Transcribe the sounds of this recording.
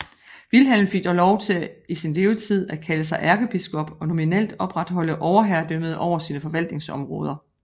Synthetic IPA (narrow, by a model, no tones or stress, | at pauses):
ʋilɦel̰m̩fiɡ̥d̥ɒlɒʊt͡sʰe̝isinle̝ːʊt͡sʰið̞̰ˠæ̥kʰæləsɑ̈ɪʔæɐɡ̥əb̥isɡ̥ɔ̽b̥ɒ̽no̝minel̰d̥ɒ̽b̥ʁad̥ɦɒ̽l̰əʔɒʊɐɦæɐd̥øməð̞ˠʔɒʊ̰ɐsiːnəfɒ̽ʋæl̰d̥ne̝ŋsɒ̽mʁɔ̽ːð̞ˠɐ